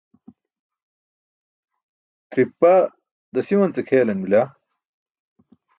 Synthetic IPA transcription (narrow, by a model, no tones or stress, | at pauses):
t̪ɾipːa | d̪ɐsiwɐnt͡sekʰeːlɐnmila